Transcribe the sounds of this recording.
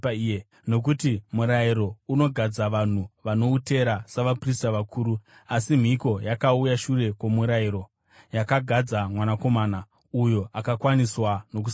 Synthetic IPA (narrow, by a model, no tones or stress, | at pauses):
no̞k̬utimuɾaiɾo̞uno̞ɡʱad͡zaʋan̤uʋano̞ute̞ɾasaʋapristaʋakʰuːɾu | asim̤iko̞jakaujaʃure̞kwomuɾaiɾo̞ | jakaɡʱad͡zamwanako̞maːna | ujo̞ʔakakwaniswano̞k̬us